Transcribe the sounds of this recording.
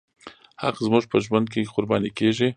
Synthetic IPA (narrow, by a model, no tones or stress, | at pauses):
haqzmuʐpəʒwand̪̚keqʊɾbɑnikeʐi